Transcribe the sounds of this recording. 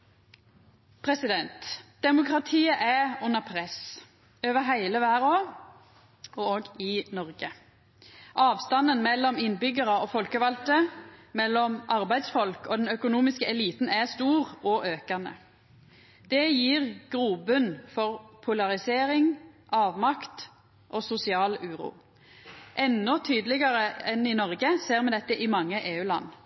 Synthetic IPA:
pʰʁɛsɪd̪ɛnt̪d̪̥ɛmʊkʁɑt̪ʰiːəʔæʊnːəʁpʰʁɛs | øːʋəɦæɪləʋæːʁoːʁ | ɔoːɡɪnɔʁɡə | ʔɑːʋst̪ɑnənmɛlːɔmɪnbʏɡəʁəoːfɔlkəʋɑlt̪əmɛlːɔmʔɑʁbæɪd̪sfɔlkɔːd̪ɛnœkʊnuːmɪskəɛliːt̪n̩æst̪uːʁɔʔøːkɑnə̰ | d̪̥ɛjiːʁɡ̥ʁuːbʉnfɔʁpʰʊlɑʁɪseːʁɪŋʔɑːʋmɑkt̪ | ʔoːsʊsɪɑːlʉːʁṵː | ʔɛnɔt̪ʰyːd̪lɪɡəʁəɛnɪnɔʁɡəseːʁmɛd̪ɛt̪ːəʔɪmɑŋːəʔeːʉːlɑ̰nː

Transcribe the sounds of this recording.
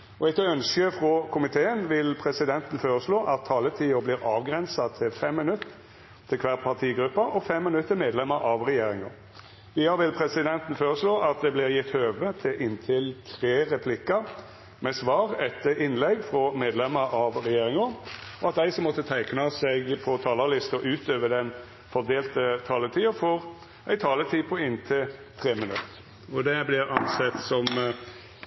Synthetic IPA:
ɔɛɪt̪œnskəfʁɔkʰʊmɪt̪ʰeːənʋɪlpʰɾɛsɪd̪ɛnt̪n̩føːɾəsloːʔɑt̪ʰːɑːlət̪ʰiːʊbliːʁɑːʋɡɾɛnsɑt̪ʰɪlfɛmːɪnʉt̪ʰː | ɪlkʰʋæːʁpʰɑʁt̪ʰiːɡɾʉpːɑʔɔfɛmːɪnʉt̪ːəmeːd̪lɛməɾʔɑʋʁɛjeːɾɪŋɑ̰ | ʋiːɑɾʋɪlpʰɾɛsɪd̪ɛnt̪ənføːɾəsloːʔɑt̪̚d̪ɛblɪɾjɪt̪ːhøːʋət̪ʰɪʔɪnt̪ʰɪlt̪ʰʁeːɾɛpʰlɪkːɑ | mɛsʋɑːʁɛt̪ːəɪnlɛɡfɾɔmeːd̪lɛməʔɑʋɾɛjeːɾɪŋəɔɑt̪̚d̪æɪsɔmːɔt̪ːət̪ʰæɪknɑsɛɡpʰɔt̪ʰɑːləlɪst̪ɔʔʉːt̪ʰøːʋəd̪ɛn | fɔʁd̪eːlt̪ət̪ʰɑːlət̪ʰiːɑfɔɾ | æɪt̪ʰɑːlət̪ʰiːpʰɔɪnt̪ʰɪlt̪ʰɾeːmɪnʉ̰t̪ə | ɔd̪ɛblɪɾɑnsɛt̪sɔm

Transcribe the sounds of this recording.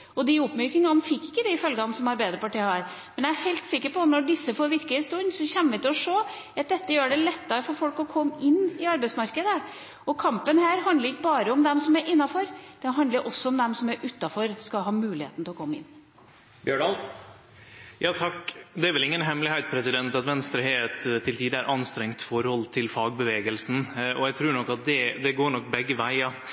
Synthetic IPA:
ɔd̪ɪʊpmœːkɪŋɑnfɪkːɪ̥kːəd̪ɛɪfœlɡɑnsɔmhɑɾbæɪd̪ɾəpɑʈiːɑɾmɛnjææɾhæɪlt̪sɪkːəɾpɔt̪nɔɖɪsːəfoːɾʋɪɾkəəst̪ʉnsɔçɛnːəʋɪt̪ɪlɔʂoː | ɑt̪̚d̪ɛt̪ːəjøːɖɛlɛt̪ːɑɾəfɔɾfɔlkɔkʰɔmːəɪnːɪɑɾbɛɪt̪smɑɾkəd̪əə | ɔkʰɑmpənhæːɾɦɑnd̪ləɾɪkːəbɑːɾəɔmd̪ɛmsɔmæɾʔɪnːɑfɔɾd̪̥ɛɦɑnd̪ləɾʔɔsːɔɔmd̪ɛmsɔmæɾʔʉt̪ːɑfɔɾskɑɦɑːmʉːlɪhḛːt̪n̩t̪ɪlɔkʰɔmːəɪ̰nː | bjøːɳɑl | jɑːt̪ʰɑkd̪ɛæɾʋɛlɪŋːənɦɛmlɪhæɪt̪̚pʰɾɛsɪd̪ɛnt̪ɑt̪ʋɛnst̪ɾəɦeɛt̪t̪ʰːɪlt̪ʰiːd̪əæɾʔɑnst̪ɾɛŋt̪fɔɾhɔlt̪ʰɪlfɑːɡbəʋeːɡəlsn̩ʔɔjæɡt̪ʰɾʉːɳɔkːɑt̪̚d̪ɛd̪ɛɡoːɳɔkːbɛɡːəʋæɪɑ

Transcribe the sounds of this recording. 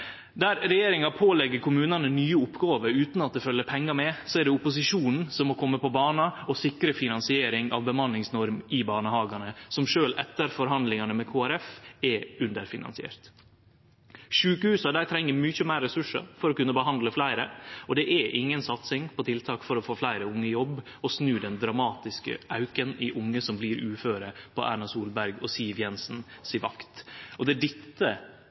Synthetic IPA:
d̪æɾɾɛjeːɾɪŋɑpʰoːlɛɡːəɾkʰʊmʉːnɑnənyːəʊpːɡɑːʋəɾʉːt̪nɑt̪̚d̪ɛfœlːəpʰɛŋːɑmɛsɔɛɖɛʊpʊs̬ɪʂuːnn̩sɔmːɔkʰɔmːəpɔbɑːnɑɔsɪkɾəfɪnɑnsɪeːɾɪŋɑ̰ʋbəmɑnlɪŋsnɔɾmɪbɑːnəhɑːɡɑnəsɔmʂøːlʔɛt̪ːəɾfɔɾɦɑnd̪lɪŋɑnəmɛkʰoːæɾɛfɛʉnd̪əɾfɪnɑ̰nsɪḛːɾt̪ | ʃʉːkəhʉːsɑd̪æɪt̪ʰɾɛŋːəɾmʏçəmæɪɾːɛsʉʂə̰fɔɾɔkʉnːəbəɦɑnd̪ləflæɪɾəɔd̪ɛʔɛʔɪŋːənsɑt̪sɪŋpʰɔt̪ʰɪlt̪ʰɑːkfɔɾɔfoːflæɪɾəʊŋːəjɔb | ɔsnʉːd̪ɛnd̪ɾɑmɑːt̪ɪskə̰ʔɑʉkənɪʔʊŋːəsɔmbliːɾʉːføːɾəpʰɔ̰ʔæ̰ːɳɑsuːlbæɾɡɔsiːʋjɛnsnsɪʋɑkt̪ʔɔd̪ɛd̪ɪt̪ːə

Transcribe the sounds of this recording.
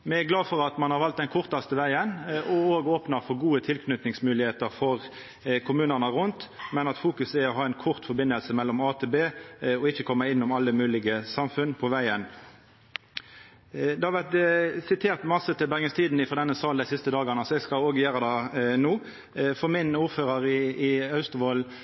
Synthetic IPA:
mɛæɡlɑːfɔʁɑt̪mɑnhɑʁʋɑlt̪̚d̪ɛnkʰʊʁt̪ɑst̪əʋæɪənɔoːɡoːpnɑfɔɾɡuːət̪ʰɪlkʰnʏt̪nɪŋsmʉːlɪheːt̪əɾfɔʁ | kʰʊmʉːnəʁnəʁʊnt̪mɛnɑt̪fuːkʉsæɔɦɑːæɪnkʰʊʁt̪fɔbɪnːəlsəmɛlːɔmɑːt̪ʰeːbeːɔɪçːəkʰɔmːəɪnːʊmɑlːəmʉːlɪɡəsɑmfʉnpʰɔʋæɪən | d̪ɛhɑɾʋæʁt̪sɪt̪ʰeːʁt̪mɑsət̪ɪlbæʁɡəst̪ʰiːd̪n̩ɪfɔd̪ɛnːəsɑːld̪æɪsɪst̪əd̪ɑːɡənəsɔɛɡskɑloːɡəjøːɾəd̪ɛnuː | fɔmɪnuːʁføːʁəʁɪɪɑʉst̪ʊʋɔl

